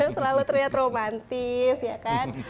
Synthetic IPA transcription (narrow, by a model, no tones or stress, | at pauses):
səlalut̪əɾliɦat̪romant̪isjakan